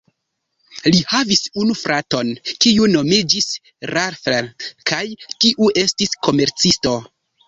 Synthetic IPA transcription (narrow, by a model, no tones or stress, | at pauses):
lihavisunufɾʔato̞nkiuno̞mid͡ʒis | ɾaɾfeɾkajtiʔue̞stisko̞meɾt͡sisto̞